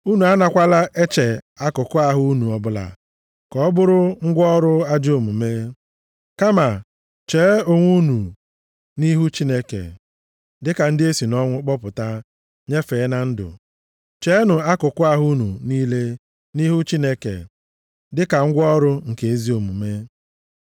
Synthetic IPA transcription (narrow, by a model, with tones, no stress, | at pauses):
u˦nu˨a˦na˨kʷa˦la˦ʔe˦t͡ʃe˨a˦kʊ˨kʊ˦a˦ɦʊ˦u˦nu˨ɔ˨bʊ˦la̰˨ | kɔ˨ɔ˦bʊ˦ɾʊ˦ŋ̩˦ɡʷɔ˦ɾʊ˦a˦d͡ʒo˨mu˨me˦ | ka˦ma˨ | t͡ʃeː˨˦o˨ŋʷu˦nu˨ | ni˦ɦu˦t͡ʃi˦ne˦kḛ˨ | dɪ˦ka˨n̩˦dɪ˦e˦si˨nɔ˦ŋʷʊ˦k͡pɔ˦pʊ˨ta˦ | ɲe˦fe˨˦na˨n̩˦dʊ̰˨ | t͡ʃe˦nʊ˨a˦kʊ˨kʊ˦a˦ɦu˦nu˨niː˦le˦ | ni˦ɦu˦t͡ʃi˦ne˦kḛ˨ | dɪ˦ka˨ŋ̩˦ɡʷɔ˦ɾʊ˦ŋ̩˨ke˨e˦zi˦o˨mu˨me˦